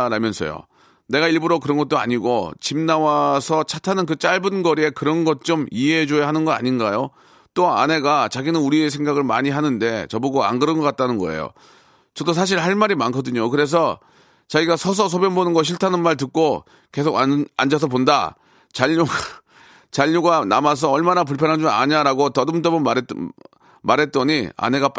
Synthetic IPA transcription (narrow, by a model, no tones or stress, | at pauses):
ɾamjʌnsʰʌ̰jo̰ | ne̞ɡaiɭbuɾokɯɾʌnɡʌt̚t͈oa̰ɲiɡot͡ɕimnawasʰʌt͡ɕʰatʰanɯnk̬ɯt͡ɕ͈aɭbɯnɡʌɾie̞kɯɾʌnɡʌt̚t͡ɕ͈omieɦed͡ʑojaɦanɯnɡʌna̰ɲinɡajo | t͈oa̰ne̞ɡat͡ɕaɡinɯnuɾies̬ʰe̞ŋɡaɡɯɭmaɲiɦanɯnde̞t͡ɕʌbuɡoa̰ŋɡɯɾɯnɡʌk͈at̚t͈anɯnɡʌ̰ḛjo̰ | t͡ɕʌdos̬ʰaɕ̬ʰiɭhaɭmaɾimankʰʌdɯɲokɯɾe̞s̬ʰʌ | t͡ɕaɡiɡasʰʌs̬ʰʌs̬ʰobjʌnbonɯnɡʌɕ̬ʰiɭtʰanɯnmaɭt̬ɯk̚k͈o | ke̞sʰoɡa̰nd͡ʑas̬ʰʌponda̰ | t͡ɕaʎːuɡa | t͡ɕaʎːuɡana̰mas̬ʰʌʌɭmanap̬uɭpʰjʌnɦand͡ʑuma̰ɲaɾaɡotʌdɯmt͈ʌbɯmaɾ | maɾɦe̞t̚t͈ʌɲia̰ne̞ɡap